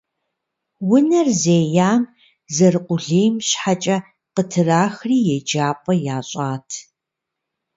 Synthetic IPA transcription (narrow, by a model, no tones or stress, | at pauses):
wʊnɐrzeːjaːm | zɐrqʷʊɮeːjmɕħat͡ʃʼɐ | qətʰɨraːxriːjɛd͡ʒaːpʼɐjaːɕʼaːtʰ